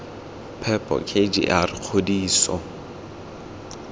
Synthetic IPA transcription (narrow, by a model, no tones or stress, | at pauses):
pʰɛpʼɔ̰kʰʼed͡ʒḭʔarɪq͡χʰodiːsɔ̰